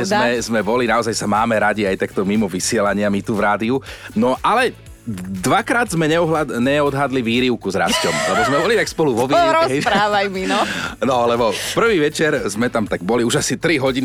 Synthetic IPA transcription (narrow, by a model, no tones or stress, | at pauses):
zmɛzmɛbɔlinaɔzajsamaːmɛɾaɟiajt̪akt̪ɔmimɔʋisɪɛlaɲɪamit̪uvɾaːd̪iunɔʔalɛ | d̪ʋakɾaːd̪zmɛɲɛɔɦaɲɛɔd̪ɦad̪liʋiːɾiʊkuzɾa̰scɔmlɛbɔzmɛbɔlit̪akspɔluʋɔʋiɾɔsɦɛɾaːʋajminɔnɔlɛbɔfpr̩ʋiːʋɛt͡ʃɛɾzmɛt̪amt̪aɡ̚bɔliuʒasit̪ɾiɦɔɟin